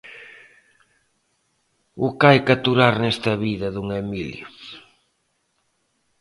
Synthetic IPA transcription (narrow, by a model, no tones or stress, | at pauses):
ʊkajkat̪uɾaɾnɛst̪ɐβiðɐðuŋemiljʊ